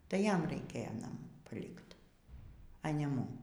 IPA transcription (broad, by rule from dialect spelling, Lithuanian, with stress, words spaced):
tɐɪ ˈjɛm rɐɪˈkʲeːjɛ nɐˈmuː pɐˈlʲɪkt ɐ nʲɛ ˈmʊm